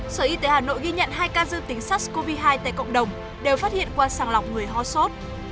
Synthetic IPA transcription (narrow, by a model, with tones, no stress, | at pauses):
səː˧˩ʔi˧t̪e˨˦haː˨˩no̰˧˨jɣi˧ɲə̰˧˨nɦaː˧jkaː˧zɨ˧ŋt̪ï˨˦ŋ̟saː˦˥k̚sko˧vi˧ɦaː˧jt̪a̰ː˧˨kə̰˧˨wŋ͡mɗə˨˩wŋ͡m | ɗe˨˩wfaː˦˥t̚hḭ˧˨ənkwaː˧saː˧˩ŋla˨˩wk͡p̚ŋɨ˨˩əjɦɔ˧so˦˥t̚